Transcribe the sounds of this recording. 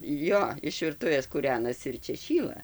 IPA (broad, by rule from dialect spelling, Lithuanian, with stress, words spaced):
ˈjoː ɪʃ ʋʲɪrˈtʊʋʲeːs kuːˈrʲæːnɐsʲɪ ɪr ˈt͡ʃʲɛ ˈʃʲiːlˠɐ